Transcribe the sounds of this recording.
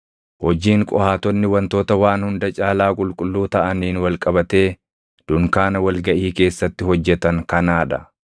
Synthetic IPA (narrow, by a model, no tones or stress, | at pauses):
hɔd͡ʒiːŋkʼɔ̰haːt̪ɔnːɪwɐnt̪o̞ːt̪ɐwaːnhʊnd̪ɐt͡ʃʼaːlaːkʼʊlkʼʊlːuːt̪ɐʔɐniːnwɐlkʼɐbɐt̪e̞ː | d̪̥ʊŋkaːnɐwɐlɡɐʔiːke̞ːsːɐt̪ːɪhɔd͡ʒːɛt̪ɐŋkɐnaːᶑɐ̰